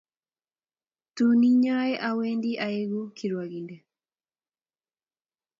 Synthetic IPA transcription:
tuni˦ɲa˦ɛʔa˦we˦ndi˦ʔae˦ɡu˦kʰi˨ɾwa˨ɡi˨ndɛ˨

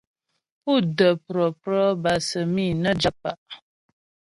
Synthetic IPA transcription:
pu˦˨də˨pɾə˨pɾə˦ba˨sə˨mi˦˨nə˦d͡ʒa˦p̚a˦˨ʔ

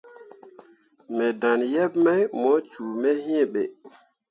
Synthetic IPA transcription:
mɛ˨da˨njɛ˦bma˦jmɔ˨˦t͡ʃu˨mɛ˦hĩ˦˨ɓḛ˨

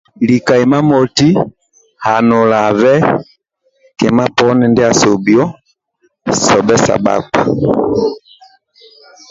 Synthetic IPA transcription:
li˨ka˨ɛ˨ma˦mɔ˨ti˦ | ha˨nɔ˨la˨vɛ˦ | kɛ˨ma˦pɔ˦nɛ˨ndɛ˦a˨sɔ˨bjɔ˦ | sɔ˨bɛ˦sa̰˨ba̰˦ka˨

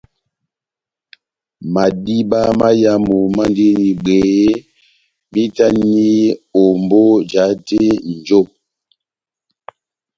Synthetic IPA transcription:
ma˨di˦ba˦ma˦ja˦mu˨ma˦nde˦ni˨ɡ͡be˨˦ | mi˦ta˦ni˦o˨m˨bo˦d͡ʒa˨˦te˦n̩˨d͡ʒo˦˨

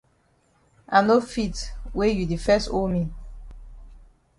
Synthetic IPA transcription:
ʔa˨no˦fi˦twe˦ju˨di˨fɛ˦stolmi˨

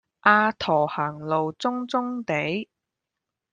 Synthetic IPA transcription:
ʔaː˧t̪ʰɔː˨˩haː˨˩ŋlo˨wt͡sʊ˥ŋt͡sʊ˥ŋt̪e˨˥j

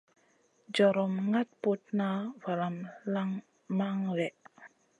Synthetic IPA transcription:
d͡ʒɔ˨ɾɔ˨mŋa˦t̚po˦t̚na˦va˨la˨mla˦ŋ | ma˦ŋwɛ˨ʔ

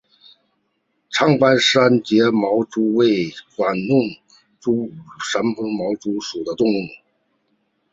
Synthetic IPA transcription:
ʈ͡ʂʰɑ˥ŋpa˥nʂa˥nt͡ɕjɛ˧˥mɑ˧˥ʊʈ͡ʂu˧˥we˥˩ɪkwa˨˩nnʊ˥˩ŋ | ʈ͡ʂu˥ʂa˧˥npə˥ŋmɑ˧˥ʊʈ͡ʂu˧˥ʂu˨˩d̪ə˦t̪ʊ˥˧ŋu˥˩ŋ

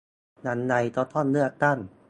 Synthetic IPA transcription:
na˨˥nːa˧jt̪ɔː˧˥t̪ʰɔː˥˩nlɯ˥˩ɐk̚t̪a˥˩n

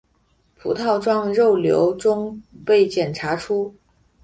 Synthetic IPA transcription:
pʰṵ˧˥t̪ʰɑ˥˧ʊʈ͡ʂwɑ˥ŋɻo˥˩ʊljo̰˧˥ʊʈ͡ʂʊ˥ŋpe˥˩ɪt͡ɕjɛ˨˩nʈ͡ʂʰa˧˥ʈ͡ʂʰu˥

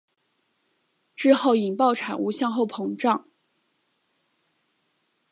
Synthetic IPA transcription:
ʈ͡ʂɻ̩˥˧xo˥˩ʊi˨˩ŋpɑ˥˩ʊʈ͡ʂʰa˨˩nu˧˥ɕjɑ˥˧ŋxo˥˩ʊpʰɤ˧˥ŋʈ͡ʂɑ˥˩ŋ

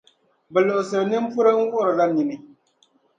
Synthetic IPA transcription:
bɛ˨lo˨ʔʊ˨sɨ˨ɾɨ˨nɨ˦m˦pu˦ɾɨ˦ŋ̩˦wu˦ʔʊ˦ɾɨ˨la˦ni˨ni˦

